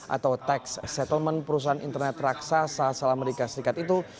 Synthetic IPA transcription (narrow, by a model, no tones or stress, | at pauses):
ʔa̰t̪awt̪ɛksːɛt̪əlmənpəɾus̬aɦanḭnt̪ərnɛt̪raksasasalameɾikasəɾikat̪it̪u